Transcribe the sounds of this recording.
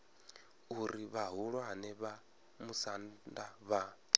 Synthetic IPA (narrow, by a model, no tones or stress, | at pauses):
uɾiβaɦuɺwanɛβa | musandaβa